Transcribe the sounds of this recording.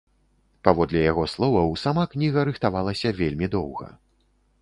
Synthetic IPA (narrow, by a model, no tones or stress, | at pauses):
pavɔd̪lʲɛjaɣɔslˠɔvɐwsamaknʲiɣɐɾɨxt̪avalˠɐsʲɐvʲelʲmʲid̪ɔwɣɐ̰